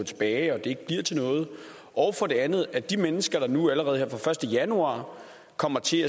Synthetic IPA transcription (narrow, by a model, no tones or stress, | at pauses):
t͡sʰe̝̥b̥ɛːɪɒ̽d̥e̝e̝ɡ̥̚b̥liɐ̰t͡sʰe̝lnɔ̽ːð̞̩ˠ | ʔɒʊfɒ̽d̥e̝ænð̩ˠæd̥imenəsɡ̥ɐɾ̥ɑ̈nuæləʁɛːð̞̩heɐfʁɑ̈fɶɐsd̥əjænuɑ̰̈ː | kʰɒ̽m̰ɐt͡sʰe̝æ